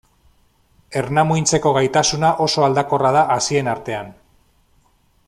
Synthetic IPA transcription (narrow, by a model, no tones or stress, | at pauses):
e̞rnamujnt͡se̞ko̞ɣ̞ajt̪asunaʔo̞so̞ald̪ako̞rað̞aʔasie̞naɾt̪e̞an